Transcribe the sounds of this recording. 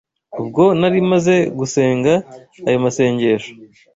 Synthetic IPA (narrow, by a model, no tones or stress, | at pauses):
ubɡo̞naɾimaze̞ɡuse̞ːŋɡaː | jomase̞ːɲɟe̞ːʃo̥